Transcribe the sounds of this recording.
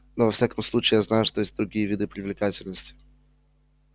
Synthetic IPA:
novɐfsʲakəmslˠut͡ɕɪːjaznajʊʂt̪ojesʲt̚ʲd̪ɾʊɡʲijəvʲid̪ɨpɾʲɪvlʲɪkatʲɪlʲnəsʲtʲɪ̥

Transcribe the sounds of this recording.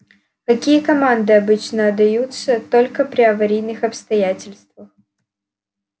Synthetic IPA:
kɐkʲijəkɐmand̪ɨɐbɨt͡ɕnəːd̪ɐjut̪sət̪olʲkəpɾʲɪɐvɐɾʲijnɨxɐpst̪ɐjætʲɪlʲst̪vəx

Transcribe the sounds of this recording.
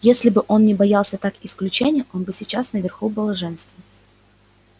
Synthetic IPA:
jesʲlʲɪbɨʔo̞nnʲɪbɐjalˠsʲət̪akɪsklʲʉt͡ɕenʲɪjəʔo̞nbɨsʲɪt͡ɕasnəvʲɪrxubɨlˠəʐɛnst̪və

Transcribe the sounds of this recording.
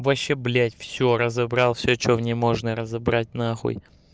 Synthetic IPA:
vɐɕːeblʲætʲfsʲoɾəzɐbɾɑlˠfsʲot͡ɕovnʲemoʐnəɾəzɐbɾat̚ʲnaxo̰j

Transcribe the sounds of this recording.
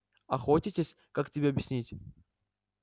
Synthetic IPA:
ɐxotʲɪtʲesʲ | kaktʲɪbʲeɐbʲjɪsʲnʲitʲ

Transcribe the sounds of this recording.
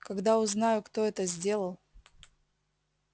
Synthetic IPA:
kɐɡd̪aʊznajʊkt̪oɛt̪əzʲdʲe̞lˠəlˠ

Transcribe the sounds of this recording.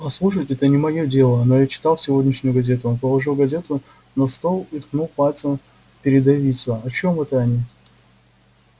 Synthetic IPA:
ɐslˠuʂəjtʲɛt̪ənʲɪmɐjo̞dʲe̞lˠəno̞jat͡ɕɪ̥t̪ɑlˠsʲɪvo̞dʲnʲɪʂnʲʊjʊɡɐzʲe̞t̪ʊonpəlˠɐʐɨlˠɡɐzʲe̞t̪ʊ | nɐst̪olˠit̪knulˠpalʲt̪səm | pʲɪɾʲɪd̪ɐvʲit̪səɐt͡ɕo̞mɛt̪əɐnʲi

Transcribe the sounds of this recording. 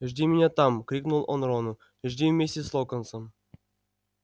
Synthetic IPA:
ɘ̆ʐdʲimʲenʲet̪ɑmkrʲiknulˠo̰nronu | ɘʐdʲivʲmʲesʲeslˠokɤ̆nsɤ̆m

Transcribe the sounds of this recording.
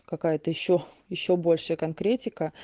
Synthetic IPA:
kɐkajət̪əjɪɕːojɪɕːo̞bo̞lʲʂɨjəkɐnkɾʲetʲɪkə

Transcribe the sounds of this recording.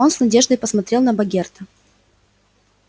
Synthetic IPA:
o̞nsnɐdʲeʐd̪əjpəsmɐt̪ɾʲe̞lˠnəbɐɡʲert̪ə

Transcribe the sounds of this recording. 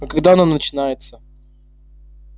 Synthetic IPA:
kɐɡd̪aɐnonət͡ɕɪnajɪt̪sə

